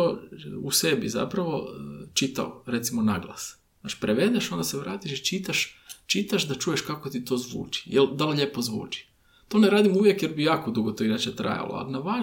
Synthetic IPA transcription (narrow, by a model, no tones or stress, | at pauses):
ouse̞biza̰pɾaʋo̞t͡ʃit̪a̰oɾe̞t̪simonaɡlˠa̰s | at͡ʃi̥pɾeʋe̞d̪eʃo̞nd̪aseʋɾaːt̪iʃit͡ʃit̪aʃt͡ʃit̪aʃd̪at͡ʃuːje̞ʃkakot̪it̪o̞ːzʋṵːt͡ʃi̥jeld̪alʎepo̞zʋṵːt͡ʃi̥ | t̪o̞ːneɾaːd̪imuʋjekjeɾbijaːko̞d̪uɡot̪oiɾat͡ʃat̪ɾa̰ja̰lo̰a̰linaʋa